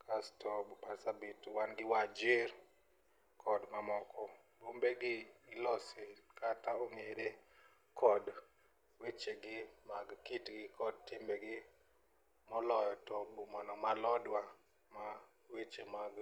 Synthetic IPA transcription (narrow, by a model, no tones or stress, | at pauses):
kʰastɔbpasabituwanɡɪwad͡ʒɪr | kʰɔdmamɔkɔ | bombeɡɪɪlɔsekataoŋeɾe | kʰɔd | wet͡ʃeɡɪmaɡkitɡɪkɔd̚tɪmbeɡɪ | mɔlɔjɔtɔbumanɔmalɔdwa | ma | wet͡ʃemaɡ